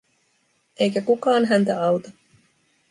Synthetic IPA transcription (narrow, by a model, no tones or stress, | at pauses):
e̞jkækukɑːnɦænt̪æɑwt̪ɑ